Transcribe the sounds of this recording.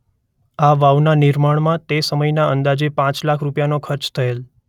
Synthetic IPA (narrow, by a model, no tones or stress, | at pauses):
aʋaʋnanɪɾmaɳ̃mãt̪esəməjnaənd̪ad͡ʒepãt͡ʃlakʰɾupjanokʰəɾt͡ʃt̪ʰəel